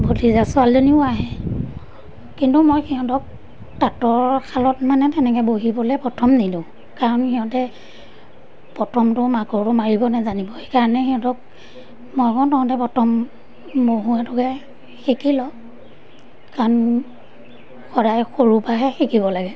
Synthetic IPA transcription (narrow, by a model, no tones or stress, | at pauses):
bodizasualzoniʊaɦɛ | kintumojxiɔ̃tɔk̚ | tatɔɹkʰalɔtmanɛtɛnɛk̬ɛboɦibɔlɛpɔtʰɔmnidũ | kaɹɔnxiɔ̃tɛ | pɔtʰɔmtʊmaɡɔtʊmaɹibɔnɛzanibɔxekaɹɔnɛxiɔ̃tɔk̚ | mɔjkɔ̃tɔhɔ̃tɛpɔtʰɔmː | boɦuatʊkɛ | xikilɔ | kan | xɔdajxoɹupaɦɛxikibɔlaɡɛ